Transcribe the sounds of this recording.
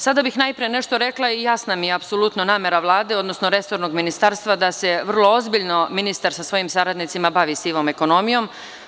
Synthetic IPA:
sad̪abixnajpɾijene̞ʃt̪o̞ɾe̞klˠaijasnamijeapso̞lut̪nonaːme̞ɾaʋlˠaːd̪e̞o̞d̪no̞snoɾe̞so̞ɾno̞ɡminist̪aːɾst̪ʋad̪ase̞ʋr̩lˠoozbiʎno̞minist̪aɾsasʋo̞jimsaɾad̪nit̪simabaːʋisiːʋo̞me̞ko̞no̞mijo̞m

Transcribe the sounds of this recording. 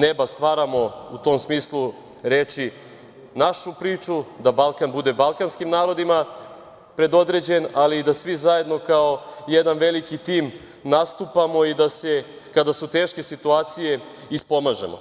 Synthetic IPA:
nebast̪ʋaːɾamo̞ut̪o̞msmiːslˠu | ɾe̞t͡ʃi | naʃupɾiːt͡ʃud̪abalˠkanbud̪e̞balkanskimnaːɾo̞d̪ima | pɾe̞d̪o̞d̪ɾe̞d͡ʑe̞naliːd̪asʋizaje̞d̪no̞kao̞jed̪anʋe̞likit̪iːm | nast̪upamo̞id̪ase̞ | kad̪asut̪e̞ːʃke̞sit̪uaːt̪sije̞ | ispo̞maʒe̞̰mo̰

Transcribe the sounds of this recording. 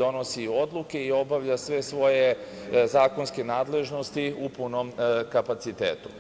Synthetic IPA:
o̞no̞sio̞d̪lˠuke̞io̞baʋʎasʋe̞sʋo̞je | zaːko̞nske̞naːd̪le̞ʒno̞st̪iupunomkapat̪sit̪eːt̪u̥

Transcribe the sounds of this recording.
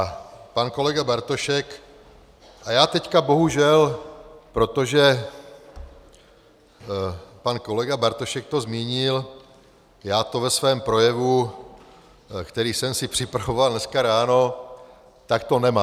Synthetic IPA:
apanko̞lɛɡabaɾt̪o̞ʃɛk | ʔajaːt̪ɛckabo̞ɦuʒɛlpɾo̞t̪o̞ʒɛ | panko̞lɛɡabaɾt̪o̞ʃɛk̚t̪o̞zmiːɲɪl | jaːt̪o̞vɛsvɛːmpɾo̞jɛvu | kt̪ɛɾiːsɛmsɪpr̝̥ɪpɾavo̞valnɛskaɾaːno̞ | t̪akt̪o̞nɛmaː

